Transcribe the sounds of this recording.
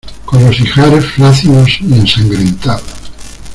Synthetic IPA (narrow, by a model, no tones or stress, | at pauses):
konlosixaɾesflaθilosiensãŋɡɾent̪aðo